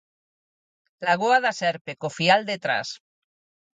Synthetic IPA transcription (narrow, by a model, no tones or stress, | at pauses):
laɣoaðasɛɾpekofiald̪et̪ɾa̰s